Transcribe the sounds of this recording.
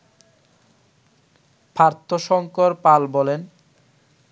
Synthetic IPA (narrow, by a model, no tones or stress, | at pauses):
pʰaɾt̪ʰːoʃɔŋkoɾpalbɔlen